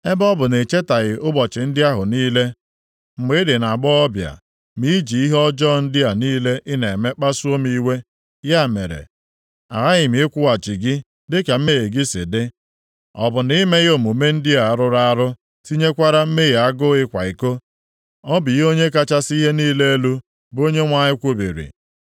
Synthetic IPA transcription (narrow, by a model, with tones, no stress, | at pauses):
e˦bɔ˦bʊ˨ne˨t͡ʃe˦ta˨ɣɪ˨ʊ˦bɔ˨t͡ʃɪ˨n̩˦dɪ˦a˦ɦʊ˨niː˦le˦ | m̩˨me˦dɪ˨na˨ɡ͡bɔ˦ɔ˦bja̰˨ | mi˦d͡ʒi˨i˦ɦɔ˦d͡ʒɔ˦˨n̩˦dɪ˦a˨niː˦le˦ʔɪ˦ne˨me˦k͡pa˦su˦o˦mi˦we˦ | ja˦˨me˨ɾḛ˨ | a̰˨ɾa˦ɣɪ˨mɪ˨˦ɪ˦kʷʊ˦a˨t͡ʃi˨ɡɪ˦ | dɪ˦ka˨m̩˦me˦je˨ɡɪ˦sɪ̰˨dɪ˦ | ɔ˨bʊ˨ni˦me˦ɣo˨mu˨˦me˦n̩˦dɪ˦a˨a˨ɾʊ˦ɾa˦ɾʊ˦ | si˦ɲe˦kʷa˦ɾa˦m̩˦me˦ɣe˨a˦ɡʊ˦ɪ˦kʷa̰˨i˨ko˦ | ɔ˦bi˨˦o˦ɲe˦ka˦t͡ʃa˦si˦ɦe˦niː˦le˦e˦lu˦ | bo˦ɲe˦ŋʷa˦ɲɪ˦kʷu˦bḭ˨ɾḭ˨